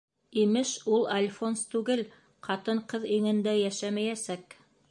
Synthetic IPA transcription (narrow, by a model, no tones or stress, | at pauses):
imɘʃulˠalʲfonst̪ʉɡɘl | qɑt̪ɤɴqɤðiŋɘ̆nd̪æjæʃæmæjæsæk